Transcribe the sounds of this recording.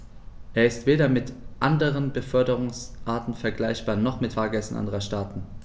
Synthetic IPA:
ʔeːɐɪstv̥eːɾɐmɪtʔandəʁənbəfœɐdəʁʊŋsʔaɐtn̩fɛɐɡlaɪçb̥aːɐnɔχmɪtfaːɐɡɛsn̩ʔa̰ndəʁɐʃtaːtn̩

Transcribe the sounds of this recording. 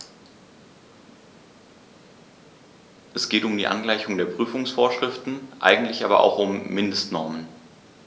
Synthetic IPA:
ʔɛsɡ̥eːtʊmdiːʔa̰nɡlaɪçʊŋdeːɐpʁ̥yːfʊŋsfoːɐʃʁ̥ɪftn̩ʔa̰ɪɡŋ̩tlɪçʔaːbɐ̰ʔa̰ʊxʊmːɪndəstnɔɐmən

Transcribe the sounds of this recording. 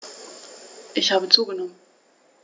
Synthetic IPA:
ʔɪçhaːbət͡suːɡənɔmən

